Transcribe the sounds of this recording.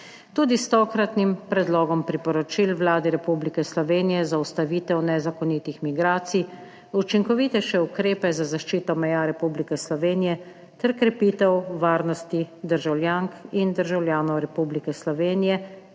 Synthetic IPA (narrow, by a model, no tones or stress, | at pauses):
t̪uːd̪ist̪ɔːkɾat̪nimpɾɛd̪lɔːɡɔmpɾipɔɾɔt͡ʃilʋlaːd̪ɛɾɛpublikɛslɔʋeːnijɛzaust̪aʋiːt̪ɛwnɛzakɔnit̪ixmiɡɾaːt̪si | ut͡ʃiŋkɔʋit̪ɛʃɛukɾeːpɛzazaʃt͡ʃiːt̪ɔmɛjaɾɛpublikɛslɔʋeːnijɛ | t̪ɛɾkɾɛpiːt̪ɛwʋaːɾnɔst̪id̪əɾʒawlʲjaŋkind̪əɾʒawljaːnɔwɾɛpublikɛslɔʋeːnijɛ